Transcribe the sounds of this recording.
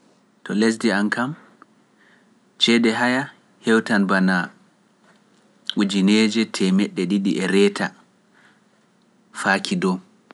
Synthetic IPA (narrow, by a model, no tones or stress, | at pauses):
tɔles̬diankam | t͡ʃɛdɛɦaja | hɛwtanbana | ʔud͡ʒineːd͡ʒɛtʰɛmɛɗːɛɗiɗiʔɛɾɛːtʰa | fakʰidɔ